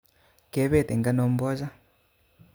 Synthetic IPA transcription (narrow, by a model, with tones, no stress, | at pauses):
kɛ˨˦βɛ˦˨t̪ɛ˨ŋɡa˦nɔ˦m̩˦bɔ˦d͡ʒa˦